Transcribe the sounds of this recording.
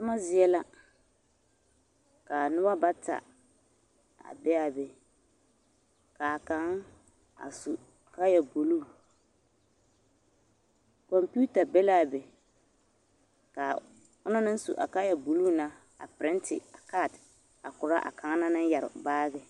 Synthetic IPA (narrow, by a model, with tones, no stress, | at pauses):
tʊ˦ma˦zɪ˦ɛ˦la˦ | ka˨nʊ˦ba˦ba˦ta̰˨ | a̰˨bɛ˦a˨bɛ˨ | ka˨ka˨˦ŋ˦ | a̰˨su˨ | ka˦ja˨bo˨luː˦˨ | kɔ˨mpu˦ta˨bɛ˦la˦˨bɛ˨ | ka˨ | ʊ˦nʊ˦nɪ˦n˦sṵ˨ʔa̰˨ka˦jɛ˨bo˨luː˦˨na˦ | a̰˨pɪ˨ɾɪ˦ntɪ̰˨a˨ka˦˨t | a˨kʊ˨ɾa˦ʔa̰˨kʰa˨ŋa˦na˦nɪ˦ja˨ɾɪ̰˨baː˦ɡɛ˦